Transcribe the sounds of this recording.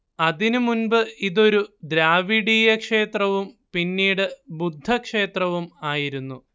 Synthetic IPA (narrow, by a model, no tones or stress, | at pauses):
ɐðinumunbɨiðo̞ɾud̪ɾaːʋiɽiːjɐkʂe̞ːt̪rɐʋumpinːiːɽɨbud̪ʱːɐkʂe̞ːt̪rɐʋumaːjiɾunːu